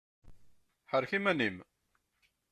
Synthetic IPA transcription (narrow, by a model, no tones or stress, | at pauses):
ħəɾçimænim